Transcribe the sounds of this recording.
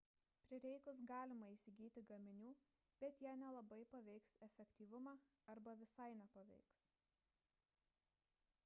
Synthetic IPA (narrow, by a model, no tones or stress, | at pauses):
pʲɾʲɪɾʲɛɪkʊs̬ɡɑːlʲɪmɐiːsʲɪɡʲiːt̪ʲɪɡɐmʲɪnʲuː | b̥ʲɛt̪jæːnʲɛlˠɐbɐɪpɐʋʲɛɪksɛfʲɛkt̪ʲiːʋʊmɑ | ɐɾbɐʋʲɪsɐɪnʲɛpɐʋʲɛ̰ɪks